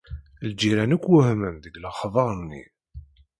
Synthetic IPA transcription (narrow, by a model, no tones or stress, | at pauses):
ld͡ʒːiɾænəkʷːwʊhməmðəɡləχðˤɑɾˤnːḭ